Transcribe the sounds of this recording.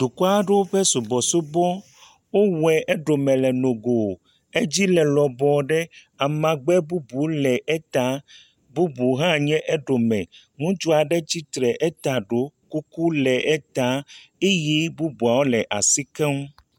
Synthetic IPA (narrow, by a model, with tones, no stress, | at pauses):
d̪̥o˨kɔ˦a˦ɖe˦wo˦ɸɛ˦su˨bɔ˨so˦bɔ˦ | wo˦wɛ˨ʔɛ˦ɖo˨mɛ̃˨lɛ˨nõ˨ɡo˨ | e˦d͡ʑi˦lɛ˨lɔ˨bɔ˨ɖɛ˦ | a˨mã˨ɡ͡bɛ˦bu˦bu˨lɛ˨ʔɛ˦t̪a˦ | bu˦bu˨ɦã˦˨ɲɛ̃˦ʔɛ˦ɖo˨mɛ̃˨ | ŋũ˦d͡ʒo˦a˨ɖɛ˦d͡ʑi˦t̪ɾɛ˨ʔɛ˦t̪a˨ɖo˦ku˦ku˦lɛ˨ʔɛ˦t̪a˦e˦ji˦bu˦bu˨a˨wo˦lɛ˨ʔa˨si˦kɛ˦ŋũ˦